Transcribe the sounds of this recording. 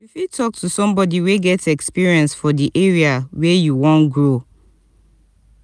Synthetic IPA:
ifitʰɔk̚tʰusɔ̃mbɔdiweɡɛtɛkspiɹiɛ̃nsfɔdiʔeɹiawɛjuwɔ̃nɡɹo

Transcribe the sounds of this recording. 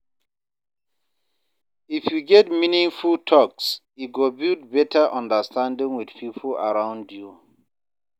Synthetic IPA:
ifjuɡɛtminĩŋfultʰɔks | it̚ɡobildbɛtʰəʔãndəstʰãndĩŋwiθpʰipʰla̰ɹãʊ̃ndju

